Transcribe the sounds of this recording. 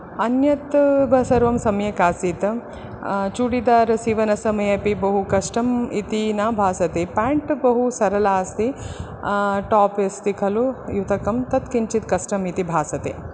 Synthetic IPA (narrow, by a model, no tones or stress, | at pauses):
ɐnjɐt̪bʱɐsɐɾʋɐmsɐmjɐkaːsit̪ | t͡ʃuːɽid̪aːɾsiːʋɐnɐsɐmɐjɐpibɐɦukɐʂʈɐmit̪inaːbʱaːsɐt̪eːpaːɳʈbɐɦusɐɾɐlaːst̪i | ʈaːpest̪ikʰɐlujut̪ɐkɐmt̪ɐt̪kint͡ʃit̪kɐsʈɐmit̪ibʱaːsɐt̪ḛː